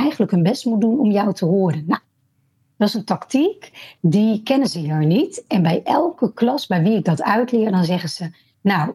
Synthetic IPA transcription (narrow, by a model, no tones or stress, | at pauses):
ɛjχənləkɦənbɛstmudunɔmjɔwtʰəɦʊːɾənːaw | dɔtɪsəntɑktikdikɛnənzəjəɹnitɛnbɛjʔɛlˠkəklɑsbɛjʋiɪɡ̚dɑtœɥtlɪːɹdɑnzɛχənz̥ə | naw